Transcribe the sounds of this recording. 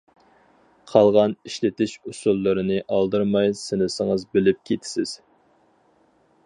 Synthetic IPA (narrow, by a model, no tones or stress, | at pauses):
qʰɑlˠʁɑniʃlɪt̪ɪʃusulˠːɨɾɨnɨʔɑlˠd̪ɨɾmɑjsɪnɪsɪŋəzbɪlɪp̚kʲʰet̪ʰɪ̥sɪz̥